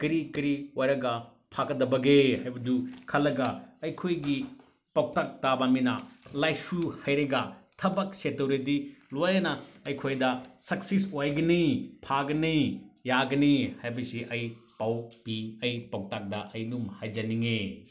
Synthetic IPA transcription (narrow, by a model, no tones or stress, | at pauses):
kɾikɾiojɾɐɡɐ | pʰakɐdɐbɐɡehajbɐdukʰɐlːɐɡɐɐjkʰojɡi | pɐk̚tak̚tabaminɐlajsuhɐjɾɐɡɐtʰɐbɐk̚setowɾitilojɾɐnɐɐjkʰojdɐsɐksisojɡɐnipʰaɡɐnijaɡɐnihajbɐsiʔɐjpawpiɐjpɐw̚tak̚dɐʔɐjnumhɐjd͡ʒɐniŋe